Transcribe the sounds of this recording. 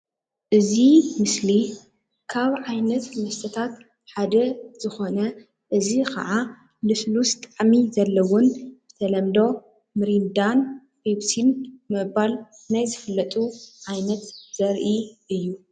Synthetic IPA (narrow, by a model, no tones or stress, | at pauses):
ʔɨzimɨsli | kʰaβʕajnɐt̪mɐst̪ʰɐt̪ʰat̪ | ħad̪ɐz̥ɨxo̞nɐ | ʔɨzikʰɐ̰ʕa | lɨslust̪ʼaʕmizɐlːɐwʊnzɨt̪ʰɐlɐmd̪o̞ | mɨɾind̪an | fiβsʰinmɨβal | najzɨfɨlːɐt̪ʼuʕajnɐt̪z̥ɐɾʔiʔɨjːu